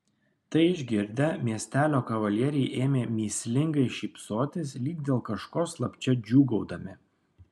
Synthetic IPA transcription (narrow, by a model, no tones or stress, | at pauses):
t̪ɐɪɪʒʲɡʲɪɾʲd̪ʲɛmʲiɛsʲt̪ʲæːlʲoːkɐʋɐlʲiɛɾʲɛɪʔeːmʲeːmʲiːsʲlʲɪŋɡɐɪʃʲiːpsoːt̪ʲɪslʲiːɡ̚d̪ʲeːlˠkɐʃkoːslˠɐpʲt͡ʃʲɛd͡ʒʲuːɡɒʊd̪ɐmʲɪ